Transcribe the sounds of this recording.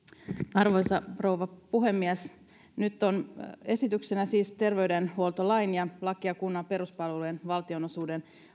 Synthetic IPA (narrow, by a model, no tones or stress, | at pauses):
ɑrʋo̞jsɑro̞uʋɑpuɦe̞mːiɛs | nyt̪ːone̞sit̪yksenæsiːst̪e̞rʋe̞ydenhuolt̪olɑjnjɑlɑkiɑkunːɑpe̞ɾuspɑlʋelujenʋɑlt̪io̞no̞suːde̞n